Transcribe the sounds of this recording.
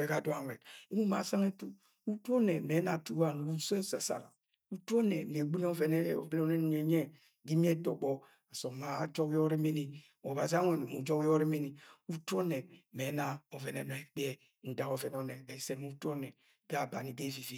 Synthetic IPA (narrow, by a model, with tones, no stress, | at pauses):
e˨˦ɡa˦˨dwa˦˨wɛ˨te˦mu˦ma˨sa˦ŋe˦tu˦ | u˦tu˦ɔ˦nɛ˨me˨˦na˨tu˦wa˦˨n˨u˦so˦e˦sa˨sa̰˨ɾa˨ | u˦tu˦ɔ˦nɛ˨m˨e˨ɡ͡bi˦n˦ɔ˦vɛ˨nɛ̰˦˨bi˦n˦nɛ˦n˨ɲe˨ɲɛ˦ | ɡi˦mi˦e˦dɔ˨ɡ͡bɔ˦ | a˨sɔ˨ma˦d͡ʒɔ˦kɔ˦ɾi˦me˦ni˨ | ɔ˨ba˨zi˦a˦ŋe˨mu˨d͡ʒɔ˦kɔ˦ɾi˦me˦ni˨u˦tu˦ɔ˦nɛ˨me˨˦na˨ɔ˨vɛ˨nɛ̰˨nɔ˨e˦k͡pɛ˦ | n̩˨da˨kɔ˨vɛ˨n˨ɔ˨ne˨ɡa˨i˦se˦nu˦tu˦o˦nɛ˨ | ɡa˦˨ba˨ni˨de˦˨vi˨vi˨